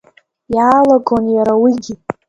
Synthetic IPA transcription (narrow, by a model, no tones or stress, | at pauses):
jaːlaɡonjaɾawiɡʲi